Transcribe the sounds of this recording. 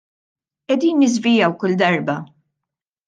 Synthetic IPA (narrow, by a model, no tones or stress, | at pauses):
ʔɛd̪iːnːɪzvɪjɐwkʊld̪ɐɾbɐ